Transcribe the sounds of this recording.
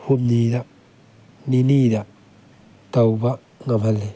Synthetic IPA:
humnid̪a | ninid̪a | t̪awba | ŋamale

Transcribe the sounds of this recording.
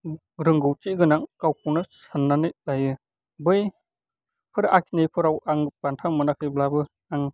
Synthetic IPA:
ɾɯŋɡɯwt͡ʃiɡɯnaŋkawkʰuwnasɯnːanɯlajɯ | bɯj | pʰɯɾakʰinejpʰɯɾawaŋbantʰamɯnakʰɯjblabɯ | aŋ

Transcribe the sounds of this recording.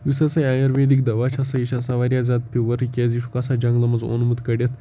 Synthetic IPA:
ʋisɐsɐjaːjɐɾʋeːd̪ikd̪ɐʋat͡ʃʰɐsɐjiʃʰasaʋaɾʲjaːzʲad̪̚pʰʲiʋɐɾikʲeːziʃu̥kɐsad͡ʒɐŋɡlɐmɐzo̰nmut̪kɐɽʲɐt̪ʰ

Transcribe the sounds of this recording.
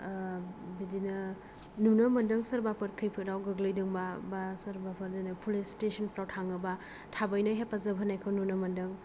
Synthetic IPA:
bidinɐ | nunɐmɐndɯŋsɐɾbapʰɯɾkʰɯjpʰɯɾawɡɯɡlɯjdɯŋbabasɐɾbapʰɐɾdajnɯpʰulestesʰənpɾawtʰaŋaba | tʰabajnaɦepazɐbʱanajkʰawnunɐmɐndɯŋ

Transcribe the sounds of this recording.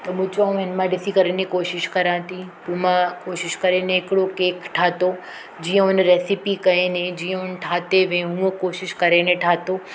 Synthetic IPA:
t̪omũt͡ʃoũenmãɖɪsikəɾenikoːʃɪʃkɐɾãːt̪ipũmãkoːʃɪʃkəɾeneːkɽokeːkʈʰaːt̪o | d͡ʒijə̃unɾɛsipikɐened͡ʒijə̃ʊnʈʰaːt̪eʋẽɦũkoːʃɪʃkɐɾenẽʈʰaːt̪o

